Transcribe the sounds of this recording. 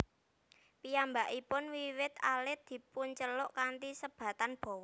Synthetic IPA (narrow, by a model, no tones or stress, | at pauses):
pijambaʔipʊnwiwɪt̪alɪd̪̥i̤pʊnt͡ʃəlɔʔkant̪isəb̥ä̤t̪anb̥ɔ̤wɔ